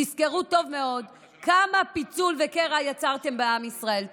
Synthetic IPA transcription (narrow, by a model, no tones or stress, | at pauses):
iske̞ʁuto̞vme̞o̞d | kamapit͡sulve̞ke̞ʁajat͡saʁte̞mbeamisʁae̞l